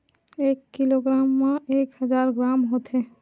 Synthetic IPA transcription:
eːkːiloɡɾaːmːãekhəd͡ʒaːɾɡɾaːmɦot̪ɦe

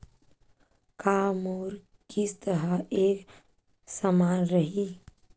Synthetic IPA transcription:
kaːmoːɾ | kist̪əɾəeːk | səmaːnɾəɦiː

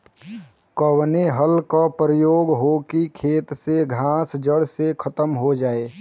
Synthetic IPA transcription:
kəwneɦəlkapɾəjoːɡɦokikʰeːt̪seɡʱãːsd͡ʒəɽsekʰət̪əmɦod͡ʒaːeː

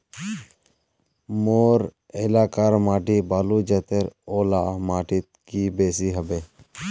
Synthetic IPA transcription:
moːɾ | ɛlaːkaɾmaːʈibaːlud͡ʒɛt̪eɾoːlamaːʈɪt̪̚kibeːsiɦəbeː

